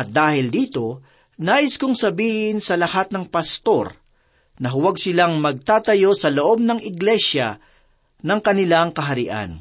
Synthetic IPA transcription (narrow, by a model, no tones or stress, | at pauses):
ʔɐt̪̚d̪aːhɪld̪iːt̪o̞ | naːʔɪskʊŋsɐbiːhɪnsɐlɐhat̪̚nɐŋpɐst̪o̞̰ɾ | nɐɦʊwaɡsɪlaŋmɐɡ̚t̪aːt̪ɐjo̞sɐloʔo̞b̚nɐŋɪɡlɛʃjɐ̰ | nɐŋkɐnɪlaŋkɐɦɐɾɪ̰ʔa̰n